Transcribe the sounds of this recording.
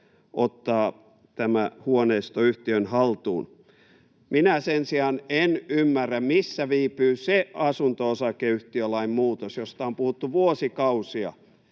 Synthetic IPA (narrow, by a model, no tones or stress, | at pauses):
ʔot̪ːɑː | t̪æmæhuoneist̪oyht̪iønhɑlt̪uːn | minæsensiɑnenymːærːæmmisːæʋiːpyːseɑsunt̪oosɑkeyht̪iølɑimmuːt̪osjost̪ɑompuhut̪ːuʋuosikɑusiɑ̰